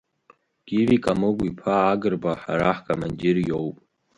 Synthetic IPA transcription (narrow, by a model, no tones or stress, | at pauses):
ɡ̥ivikʼamɨɡʷipʰaːɡɨrbaħa̰ɾaħkʰʼamand͡ʒɪrjowpʼ